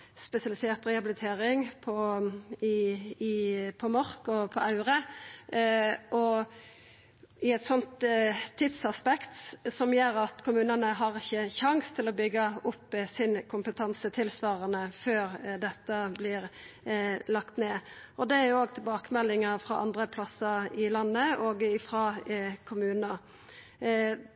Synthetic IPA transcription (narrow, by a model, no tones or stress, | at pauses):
spɛsɪɑlɪsɛːʁt̪ɾɛɑbɪlɪt̪ʰeːɾɪŋpʰɔɪ | pʰɔmɔʁkɔpʰɔʔɑʉɾə | ʔɔ | ɪɛt̪sɔnt̪t̪ʰːɪd̪sɑspɛkt̪sɔmjøːɾɑt̪kʰʊmʉːnənəɦɑʁɪçːəçɑŋst̪ʰɪlɔbʏɡːəʊpːsɪnkʰʊmpət̪ʰɑnsət̪ʰɪlsʋɑːɾənəføːɾd̪ɛt̪ːəblɪɾ | lɑkt̪neːɔd̪ɛæɾjʊoːɡ̚t̪ʰɪlbɑːkəmɛlːɪŋɑfɾɑ̰ʔɑ̰nd̪ʁəpʰlɑsəɾɪlɑnːəoːɡɪfʁɑkʰʊmʉːnnə